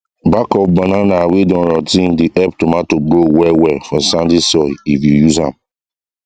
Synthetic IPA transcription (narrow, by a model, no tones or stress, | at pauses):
bakɔfbananawidɔ̃nɾɔtĩndiʔɛp̚tomatoɡɾowɛwɛfɔsãndisɔifjujuzhã̰m